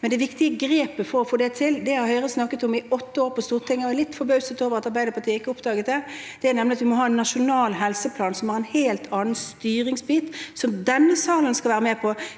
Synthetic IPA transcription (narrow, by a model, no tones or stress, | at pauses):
mɛnd̪ɛʋɪkt̪ɪəɡɾeːpəfɔɾɔfoːd̪ɛt̪ʰɪld̪ɛhɑɾhœʏʁəsnɑkːət̪ɔmɪɔt̪ːəoːʁpɔst̪uːʁt̪ʰɪŋːəɔɛlɪt̪ːfɔbœʉsət̪oːʋəʁɑt̪ɑɾʁbæɪd̪əɾpʰɑt̪iːəɪkːəʊpd̪ɑːɡət̪̚d̪ɛ | d̪̥ɛæɾnɛmnəɑt̪ʋɪmɔɦɑːɛnːɑʃʊnɑːlɦɛlsəpʰlɑːnsɔmhæʁɛnheːlt̪ʰɑːnənst̪yːɾɪŋsbiːt̪sɔmd̪ɛnːəsɑːlənskɑʋæːʁɾəmeːpʰɔ